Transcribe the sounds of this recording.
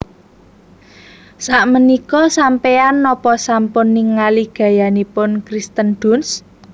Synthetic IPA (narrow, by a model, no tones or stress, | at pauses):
saʔmənikɔsampeanːɔpɔsampʊnːɪŋːaliɡ̥ä̤janipʊnkɾist̪ənd̥ʊ̤ns